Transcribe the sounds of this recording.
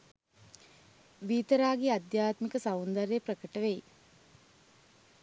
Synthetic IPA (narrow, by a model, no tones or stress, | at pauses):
ʋiːt̪əɾaːɡead̪jaːt̪mikəsaʋund̪aɾejpɾəkəʈəʋeji